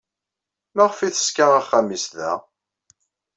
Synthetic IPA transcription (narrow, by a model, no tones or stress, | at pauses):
mæʁfiθə̥skæʁæχːæmisðæ̰